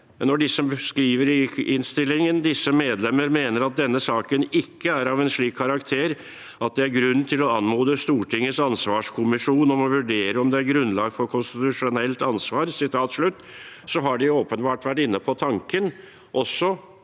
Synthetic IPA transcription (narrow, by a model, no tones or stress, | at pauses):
mnːɔɖɪsːɔmskɾiːʋəɾɪɪnst̪ɪlːɪŋənd̪ɪsːəmeːd̪lɛməɾmeːnəɾɑt̪̚d̪ɛnːəsɑːkənɪkːəæɾɑʋɛnʂɭiːkʰːɑɾɑkt̪ʰeːɾ | ɑt̪̚d̪ɛæɾɡɾʉnːt̪ʰɪlɔɑnmuːd̪əst̪uːʈʰɪŋːəsɑnsʋɑːʂkʰʊmɪʂuːnɔmɔʋʉɖeːɾəɔmd̪ɛæɾɡɾʉnlɑːɡfɔɾkʰʊnst̪ɪt̪ʉʂʊnɛlt̪ɑnsʋɑːɾsɪt̪ʰɑːt̪ʂɭʉt̪ː | sɔɦɑɖɪoːpənʋɑːʈʋæʈɪnːəpʰɔt̪ʰɑŋkən | ʔɔsːɔ